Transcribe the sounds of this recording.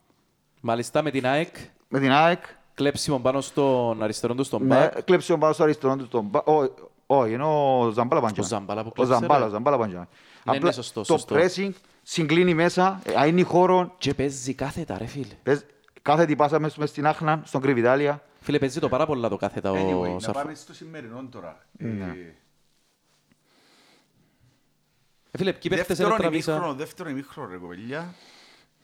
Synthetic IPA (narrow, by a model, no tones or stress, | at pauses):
mɐlist̪ɐmet̪inɐek | met̪inaek | kːlepsimombɐnost̪onɐɾist̪eond̪ost̪ombɐklepsiombanost̪oɐɾist̪eɾond̪ost̪ombaʔo | oienozɐmbalɐpad͡ʒzːɐmbɐlɐpuklzambalzɐmbɐlɐpaɲd͡ʒa̰ | nɐnesost̪ost̪oɾesiŋɡ | siŋɡlinimesɐɐinixoɾoncepezːikɐθet̪ɐ̰ɾefilpez | kaθet̪ipasɐmesmest̪inaxnɐnst̪oŋɡɾivit̪aliɐ | filepezːit̪opɐɾɐpolːɐt̪okɐθet̪ɐosɐ̰famest̪osimːeɾinond̪oɾɐ̰ | ne | efilepcipeft̪es̬eɾt̪ɾɐisɐðeft̪eɾonimixɾoneɣopeʎːɐ